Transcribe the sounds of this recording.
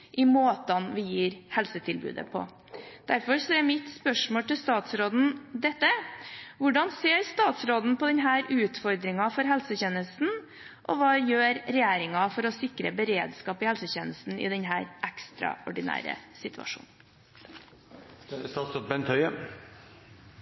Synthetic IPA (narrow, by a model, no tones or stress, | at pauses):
ʔɪmoːt̪ɑnʋɪjiːɾhɛlsət̪ʰɪlbʉ̰ːd̪ə̰pʰɔ̰ | d̪̥æɾfɔɾsɔɛmɪt̪spœʂmoːlt̪ɪlst̪ɑːt̪sɾoːd̪n̩d̪ɛt̪ːəʋʊɖɑnseːɾst̪ɑːt̪sɾoːd̪n̩pɔd̪ɛɲɦæːɾʉːt̪fɔɾd̪ɾɪŋɑfɔɾɦɛlsəçeːnəst̪n̩ | ʔɔʋɑːjøːɾɾɛjeːɾɪŋɑfɔɾɔsɪkɾəbəɾeːd̪skɑːpɪhɛlsəçeːnəst̪n̩ɪ̰d̪ɛnɦæːɾʔækst̪ɾɑ̰ɔ̰ɖɪnæ̰ːɾə̰sɪt̪ʉɑ̰ʂṵːn̩ | st̪ɑːt̪sɑt̪̚bɛnt̪ʰœʏə